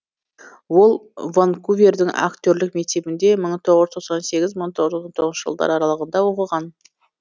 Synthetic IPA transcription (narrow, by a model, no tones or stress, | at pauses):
wo̞lˠvonkuvʲe̞rd̪ɪŋa̰kt̪ʲøɾlɪk̚me̞kt̪e̞bɪnd̪e̞məɴt̪ʰo̞ʁəzt̪ʰoq̪sɑnse̞ɡʲɪzməɴt̪ʰoʁəzoɑnt̪ʰo̞ʁznʃəʒəlˠd̪ɑ̰ɾɑɾɑlˠəʁənd̪ɑwo̞qəʁɑn